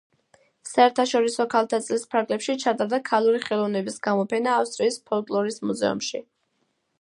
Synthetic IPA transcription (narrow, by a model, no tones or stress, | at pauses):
saɛɾt̪ʰaʃɔɾisɔkʰalˠt̪ʰat̪sʼlispʰaɾɡlɛpʃit͡ʃʰat̪ʼaɾd̪akʰalˠuɾiχɛlˠɔvnɛbisɡamɔpʰɛnaːfst̪ʼɾiːspʰɔlˠkʼlˠɔɾismuzɛ̰ṵmʃi